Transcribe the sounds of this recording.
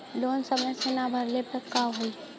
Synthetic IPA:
loːnsəməjsenabʱəɾlepəkaɦoi

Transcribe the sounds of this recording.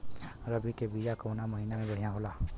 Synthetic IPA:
ɾəbʱikebijakɔwnaməɦinamẽbəɽ̤ijãɦola

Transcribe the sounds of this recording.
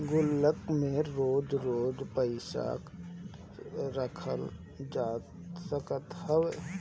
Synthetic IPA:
ɡʊlːəkmẽɾoːd͡ʒɾoːd͡ʒpəɪsa̰ːk | ɾəkʰəl | d͡ʒaːt̪səkət̪həʋ

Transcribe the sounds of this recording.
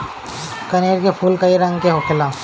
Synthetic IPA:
kɐneːɾkepʰuːlkɐiɾɐ̃ŋɡkeɦoːkʰɪlãː

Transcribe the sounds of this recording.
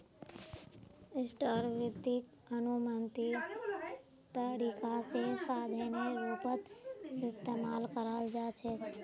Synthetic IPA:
ɪsʈəɾʋɪd̪ik | ənumənt̪i | t̪əɾiːkasesaːd̪ʱeneɾuːpət̪ɪst̪eːmaːlkəɾald͡ʒaːt͡ʃʰɛ

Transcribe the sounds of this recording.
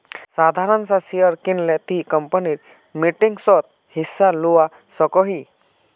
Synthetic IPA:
sad̪ʱaɾənsasijəɾkinlẽt̪ikəmpəniɾ | miʈiŋɡsɔt̪̚ | hisːaluʋa | səkɔɦi

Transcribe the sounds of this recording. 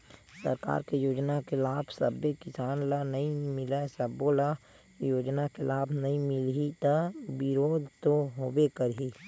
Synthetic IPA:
səɾka̰ːɾkejoːd͡ʒnakelaːbʰsə̰bekɪsaːnlanəɦĩmɪlɛsəbːola | joːd͡ʒnakelaːbʰnəĩmɪlit̪əbɪɾoːd̪ʱt̪oɦoːbekəɾɦi

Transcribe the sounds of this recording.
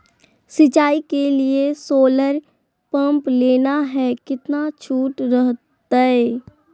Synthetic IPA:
sɪt͡ʃaːikeliesoːləɾ | pə̃mpleːnaɦɛkɪt̪nat͡ʃʰuːʈɾəɦt̪aɛ

